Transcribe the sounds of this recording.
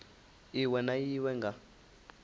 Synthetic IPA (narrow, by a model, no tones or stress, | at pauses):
iwɛnajiwɛŋɡa